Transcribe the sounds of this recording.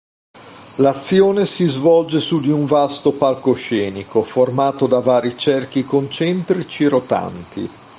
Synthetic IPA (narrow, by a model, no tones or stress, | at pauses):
lat̪sːjoːnesizvɔld͡ʒesud̪iuɱvast̪opalkoʃɛːnikoformaːt̪od̪avaːɾit͡ʃɛrk̟ikont͡ʃɛnt̪ɾit͡ʃiɾot̪a̰nt̪ḭ